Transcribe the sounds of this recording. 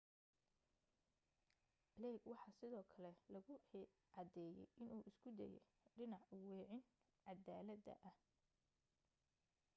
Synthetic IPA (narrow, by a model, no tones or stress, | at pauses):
lɛːɡwɑħɑːsɪðɔːkʰɐlɛlɐɣʊ | ʕɑd̪ɛːjɛ̰jʔɪnuːʔɪskʰʊd̪ɐ̰jɛ̰ | ɖɪnɑʕʊwɛːʕɪn | ʕɑd̪aːlɐd̪ɐ̰ʔɐh